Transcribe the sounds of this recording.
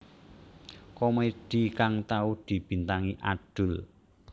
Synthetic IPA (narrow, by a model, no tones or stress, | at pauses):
kɔmeid̪̥ikaŋt̪aud̪̥i̤b̥i̤nt̪aŋiʔaɖ̥ʊ̤l